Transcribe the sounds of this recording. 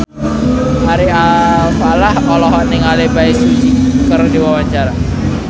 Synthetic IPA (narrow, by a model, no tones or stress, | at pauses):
aɾiapalahɔlɔɦɔniŋalebaisid͡ʒikərdiwawaɲt͡ʃaɾa